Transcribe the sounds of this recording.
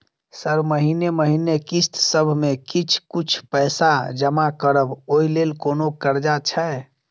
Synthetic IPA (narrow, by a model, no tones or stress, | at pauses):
səɾməɦineməɦinekist̪səbʱmekit͡ʃʰkut͡ʃʰpəjsad͡ʒəmakəɾəboilelkonokəɾd͡ʒat͡ʃʰɛ